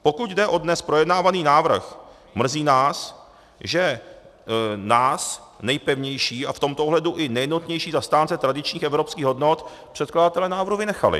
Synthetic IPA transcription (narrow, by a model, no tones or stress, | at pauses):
po̞kuɟ̪dɛʔo̞dnɛspɾo̞jɛdnaːvaniːnaːvr̩x | mr̩ziːnaːs | ʒɛ | naːsnɛjpɛvɲɛjʃiːaft̪o̞mt̪oʔoɦlɛduʔɪnɛjdnut̪ɲɛjʃiːzast̪aːnt͡sɛt̪ɾadɪt͡ʃɲiːxɛvɾo̞pskiːɣɦo̞dnot̪ | pr̝̥ɛt̪kladat̪ɛlɛːnaːvɾɦuvɪnɛxa̰lɪ̰